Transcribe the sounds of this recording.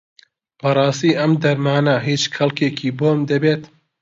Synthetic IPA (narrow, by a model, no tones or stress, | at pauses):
b̥ɐɾˤɑːst̪iːʔɐmd̪ɐɾmaːnɐɦit͡ʃxɐlˠkeːkʰiːboːmd̪ɐbeːt̪